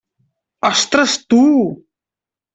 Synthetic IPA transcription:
ɐst̪ɾəst̪u

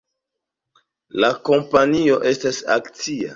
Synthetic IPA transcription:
lako̞mpanio̞ʔe̞stasa̰kt͡sia̰

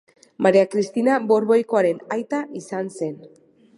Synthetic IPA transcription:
maɾeakɾist̪inabo̞ɾβojko̞aɾe̞najt̪aʔisanse̞n

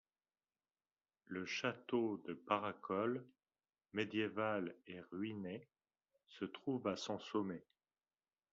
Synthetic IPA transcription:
ləʃat̪od̪əpaʁakɔl | med̪jevaleʁɥine | sət̪χuvasɔ̃sɔme

